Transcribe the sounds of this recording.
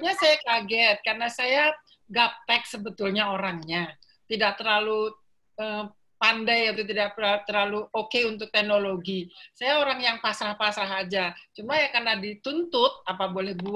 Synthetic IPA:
ɲasajakaɡɛt̪̚karnasaja | ɡap̚t̪ɛk̚səbət̪ʊlɲaoɾaŋɲa | t̪idak̚t̪ərlalu | ə | pandajat̪̬ut̪̬idak̚t̪ərlaluokeunt̪̬ʊk̚t̪ɛhnoloɡisajaoɾaŋjaŋpasɾahpasɾaɦad͡ʒat͡ʃumajakarnadit̪unt̪ʊt̪̚apabolɛhbu

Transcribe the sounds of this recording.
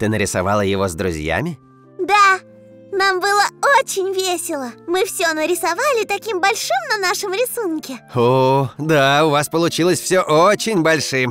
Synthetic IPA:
t̪ɨnəɾʲɪsɐ̰valˠəjɪvozd̪ɾʊ̰zʲja̰mʲɪ | d̪a | nambɨlˠəot͡ɕɪnʲvʲesʲɪlˠəmɨfsʲonəɾʲɪsɐvalʲɪt̪ɐkʲimbɐlʲʂɨmnɐnaʂəmɾʲɪsunkʲɪod̪aʊvaspəlˠʊt͡ɕilˠəsʲfsʲoʔot͡ɕɪnʲbɐlʲʂɨm

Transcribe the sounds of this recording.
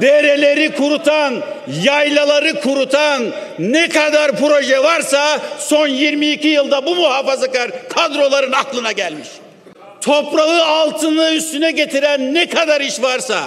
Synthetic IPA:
d̪eɾelʲe̞ɾikʰuɾut̪ʰan | jajlˠalˠaɾɯkʰuɾut̪ʰanː | ɛkʰad̪aɾpɾo̞ʒɛvaɾsaso̞njiɾmiːcʰijɯlˠd̪abumuhaːfazakaɾkʰad̪ɾo̞lˠaɾɯnaklˠɯnaɟælʲmiʃ | t̪ʰo̞pɾaɯalˠt̪ʰɯnɯyst̪ynɛɟe̞t̪ʰiɾænːɛkʰad̪aɾiʃvaɾsa̰

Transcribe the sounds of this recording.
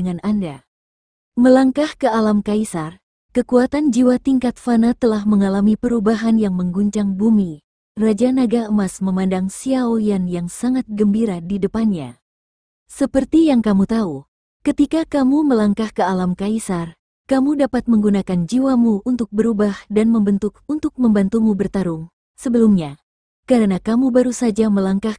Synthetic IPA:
əŋananda | məlaŋkahkəalamkaisar | kəkuat̪and͡ʒiwat̪iŋkat̪̚fanat̪əlahməŋalamipəɾubaɦanjaŋməŋɡuɲt͡ʃaŋbumi | rad͡ʒanaɡaəmasməmandaŋsiaojanjaŋsaŋat̪̚ɡəmbiɾadidəpanɲa | səpərt̪ijaŋkamut̪au | kət̪ikakamuməlaŋkahkəalamkaisar | kamudapat̪̚məŋɡunakand͡ʒiwamuunt̪ʊk̚bəɾubahdanməmbənt̪ʊk̚unt̪ʊk̚məmbant̪umubərt̪aɾʊŋ | səbəlumɲa | kaɾənakamubaɾusad͡ʒaməlaŋkah

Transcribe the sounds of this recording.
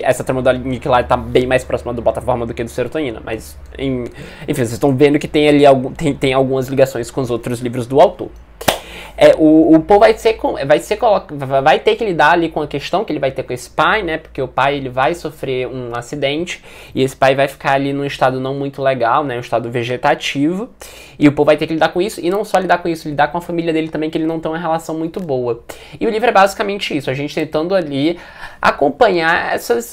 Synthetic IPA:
ʔɛsɐt̪ɾɐ̃mɐ̃d̪anikilaɾɪt̪abẽj̃majspɾɔsimɐd̪ʊbɔt̪afɔɾmɐd̪ʊkɪd̪ʊseɾot̪õĩnɐ̰mʔɐ̰z | ḛ̃ẽfĩosest̪ɐ̃w̃vẽnd̪ʊkɪ̥t̪ẽj̃aliawɡũt̪ẽt̪ẽj̃awɡũmɐzliɡasõj̃skõʊzowt̪ɾʊzlivɾʊzd̪ʊawt̪o̰ɾ | ɛʔʊːpovajsekõɛvajsekolɔkvajt̪ekɪlid̪aɾalikõɐkest̪ɐ̃w̃kɪelɪvajt̪ekõesɪ̥pajnɛpo̥ɾkeʊpajelɪvajsofɾeũasid̪ẽnt͡ʃɪ̥ | ɪesɪ̥pajvajfi̥kaɾalinũɪʃt̪ad̪ʊnɐ̃w̃mũj̃t̪ʊleɡawnɛũɪʃt̪ad̪ʊveʒet̪at͡ʃivʊ | ɪʊpovʊvajt̪eɾkɪlid̪aɾkõisʊʔɪnɐ̃w̃sɔlid̪aɾkõisʊlid̪aɾkõɐfamiliɐd̪elɪt̪ɐ̃bẽj̃kɪelɪnɐ̃w̃t̪ẽj̃ũmɐɦelasɐ̃w̃mũj̃t̪ʊbowɐ | ɪʊlivɾʊɛbazikamẽnt͡ʃɪisʊaʒẽnt͡ʃɪ̥t̪ẽnt̪ɐ̃nd̪ʊali | a̰kõpɐ̃ɲaɾɛ̰sɐs

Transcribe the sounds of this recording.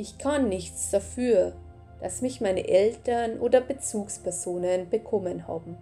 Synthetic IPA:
ʔɪçkʰanːɪçt͡sd̥afyːɐ | d̥asmɪçmaɪnə̰ʔɛltɐnʔoːdɐbət͡suːkspʰɛɐzoːnənbəkʰɔmənha̰ːbm̩

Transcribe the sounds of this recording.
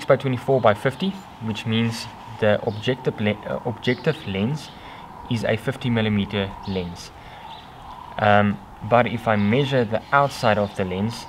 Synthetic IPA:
ksb̥aɪtʰwɛ̃ntifɔːbaɪfɪfti | wɪt͡ʃmĩːnz | ðəʔɔbd͡ʒɛktəvɔb̚d͡ʒɛk̚tɪvlɛ̃ns | ɪzə̰fɪftimɪləmitəlɛ̃ns | baɾɪfaɪmɛʒəðiʔaʊtsaɪɾɔvðəlɛ̃ns

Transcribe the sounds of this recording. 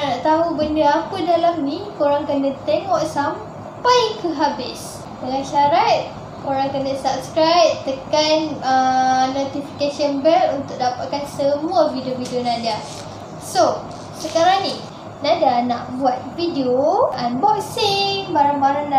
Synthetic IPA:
naʔt̪aɦubəndəapədalamnĩkoɾaŋkənət̪eŋɔʔsam | pajkəɦabɪs | dəŋãnʃaɾat̪̚ | koɾaŋkənəsap̚skɾajp̚t̪əkanənot̪ifi̥kasənbəkunt̪ʊk̚dapaʔ̪̚kansəmũavidiovidionãda | so | səkaɾaŋnĩ | nãdana̰ʔbuat̪̚vidioanbɔksiŋbaɾaŋbaɾaŋa

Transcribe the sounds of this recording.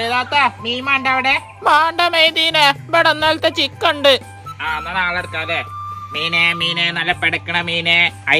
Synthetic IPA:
eðaːt̪ːamiːmaːɳɖɐɐʋiɽe | maːɳɖɐmejd̪iːnebeɽɐnːaːlt̪ːet͡ɕikːoɳɖɨ | aːnːɐnaːɭɐɾkːaːðemiːnemiːnenɐlːɐpeɽɐkːɐɳɐmiːneɐ

